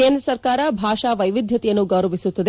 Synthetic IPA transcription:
eːnd̪ɾɐɐsɐɾkaːɾɐbʱaːʂaʋɐjʋid̪ʱjɐt̪ijɐnːuɡɐːɾɐʋisut̪ːɐd̪

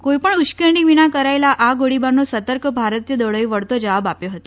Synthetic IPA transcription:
kojpəɳut͡ʃkəɾniʋinakəɾajlaʔaɡoɽibanosət̪əɾkʰbʱaɾət̪jəd̪əɭojʋəɭt̪od͡ʒəʋabapjoɦət̪o̥

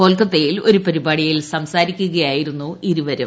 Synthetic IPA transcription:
o̞ːlkːɐt̪ːejilo̞ɾupɐɾibaːɽijɐjilsɐmsaːɾikʲːuɣɐjaːjiɾunːuiɾuʋɐɾɐm

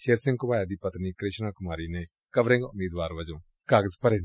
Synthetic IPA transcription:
ʃeːɾsɪ̃ŋɡkʊbaːjaːd̪iːpət̪niːkɾɪʃnaːkʊmaːɾiːneː | kəʋɾẽːŋɡʊmeːd̪ʋaːɾʋəd͡ʒõː | kaːɡəzpəɾeːn

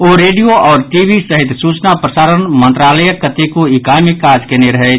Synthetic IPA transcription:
oːɾeːɖijoʔɔːɾʈibisəɦɪt̪suːt͡ʃnapɾəsaːɾənmə̃nt̪ɾaːləjəkːət̪ekoɪkaːmɪkːaːd͡ʒkeneɾəɦɛ

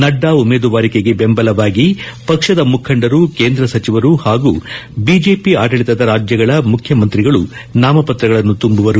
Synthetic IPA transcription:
nɐɖːaːumeːd̪uʋaːɾikeɡe̞bembɐlɐʋaːɡipɐkʂɐd̪ɐmukʰɐɳɖɐɾukeːnd̪ɾɐsɐt͡ʃiʋɐɾuhaːɡṵːbid͡ʒe̞ːpiaːʈɐɭit̪ɐd̪ɐɾaːd͡ʒjɐɡɐɭɐmukʰjɐmɐnt̪ɾiɡɐɭunaːmɐpɐt̪ɾɐɡɐɭɐnːut̪umbuʋɐɾu

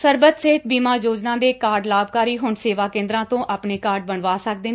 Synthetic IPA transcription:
səɾbət̪seɦɪt̪̚biːmaːjoːd͡ʒnãːd̪eːkaːɾɖlaːb̚kaːɾiːɦʊɳseːʋaːkẽːnd̪ɾãːt̪õːʔaːpɳeːkaːɾɖ̚bəɳʋaːsək̚d̪eːn

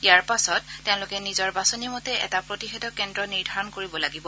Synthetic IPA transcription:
ijaɹpasɔtːɛʊ̃lʊkɛnizɔɹbasonimotɛʔɛ̰tapɹotixɛdɔkɛndɹɔniɹdʱaɹɔnkoɹibɔlaɡibɔ

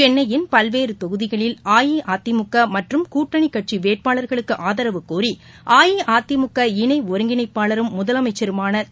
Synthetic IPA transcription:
t͡ʃɛnːɐjɪnpɐlʋeːɾɯt̪ɔɣɯðɪɣɐɭɪlaːjiʔaːt̪ːɪmʊkːɐmɐʈrɯmkuːʈːɐɳikːɐʈ̚t͡ʃiʋeːʈ̚paːɭɐɾɣɐɭɯkːɯʔaːðɐɾɐʋɯkːuːɾi | ʔaːjiʔaːt̪ːɪmʊkːɐɪɳɐɪɔɾɯŋɡɪnɐɪpːaːɭɐɾɯmːʊðɐlɐmɐɪt͡ʃːɐɾɯmaːnɐ

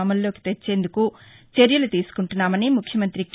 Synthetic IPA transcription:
ɐmɐlːo̞ːki̥t̪et͡ʃːe̞ːnd̪ukut͡ʃeɾjɐlut̪iːsu̥kuɳʈunːaːmɐniːmukʰjɐmɐnt̪ɾik

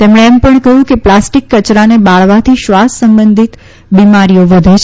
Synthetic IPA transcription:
t̪emɳ̃eːmpəɳkəɦjũkeplasʈikːət͡ʃɾanebaɭʋat̪ʰiʃʋasːəmbənd̪ʱit̪ | bimaɾijoʋəd̪ʱet͡ʃʰ

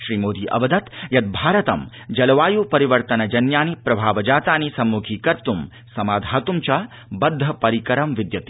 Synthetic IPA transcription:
ʃɾiːmoːd̪ʱiʔɐ̰ʋɐd̪ɐt̪jɐt̪̚bʱaːɾɐt̪ɐm | d͡ʒɐlɐʋaːjuːpɐɾiʋɐɾt̪ɐnɐd͡ʒɐnjaːnipɾɐbʱaːʋɐd͡ʒaːt̪aːnisɐmːukʰiːkɐɾt̪um | sɐmaːd̪ʱaːt̪umt͡ʃɐ | bɐd̪ʱːɐpɐɾikɐɾɐmʋid̪jɐt̪i̥

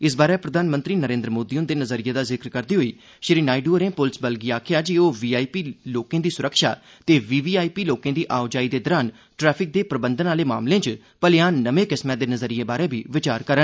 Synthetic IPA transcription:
ɪs̬baːɾɛːpɾəd̪ʱaːnmə̃nt̪ɾiːnəɾẽːnd̪ɾmoːd̪iːʊnd̪eːnəzəɾɪjeːd̪aːzɪkɾkəɾd̪iːɦoːiː | ʃɾiːnaːɪɖuːɾẽːpʊlsbəlɡiːaːkʰɪjaːd͡ʒiːoːʋiːaːipiːloːkẽːd̪iːsʊɾəkʰʃa̰ː | t̪eːʋiːʋiːaːipiːloːkẽːd̪iːʔaːʊd͡ʒaːiːd̪eːd̪ɔːɾaːn | ʈɾɛːpʰɪk̚d̪eːpɾəbənd̪ənaːleːma̰ːmlẽːt͡ʃ | pəlɪjãːnːəʋẽːkɪsmɛ̃ːd̪eːnəzəɾɪjeːbaːɾeːbʱiːʋɪt͡ʃaːɾkəɾən

